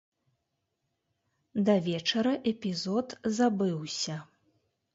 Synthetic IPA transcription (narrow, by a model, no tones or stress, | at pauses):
d̪ɐvʲɛt͡ʂɐɾɐʔɛpʲizɔt̪zabɨwsʲɐ